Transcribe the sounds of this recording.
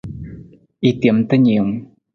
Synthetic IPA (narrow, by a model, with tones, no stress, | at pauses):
ʔi˧t̪i˨˩ə˦mt̪a˦ɲi˨ə˧ŋ